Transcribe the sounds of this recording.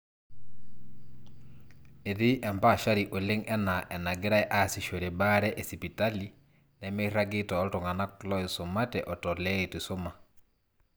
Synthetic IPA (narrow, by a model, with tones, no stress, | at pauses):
e˨ði˦ʔɛ˨mpa˦˨ʃa˦ɾi˨ʔo˨le˦ŋɛ˦na˨ʔɛ˨na˨ɡe˦ɾa˦ɛʔa˨si˨ʃo˨ɾe˨ba˦ɾɛ˦ʔɛ˨si˨pi˨ta˦li | nɛme˦i˦ɾa˦ɡɪ˦tɔ˨˦ltɔ˨ŋa˨na˦klɔ˦eso˨ma˦tɛ̰ʔɔ˨tɔ˨lɛ˦e˨tu˨so˦ma˨